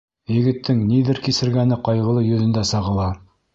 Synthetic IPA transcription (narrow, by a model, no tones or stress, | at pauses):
jɘ̆ɡɘ̆t̪ːɘŋniðɘɾkisɘ̆ɾɡænɘqɑjʁɤ̆lˠɤjɵ̆ðɵ̆nd̪æsɑʁɤ̆lˠɑ